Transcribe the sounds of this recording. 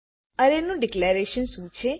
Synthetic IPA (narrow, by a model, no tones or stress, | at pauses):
əɾenũɖɪkleɾeʃənsũt͡ʃʰe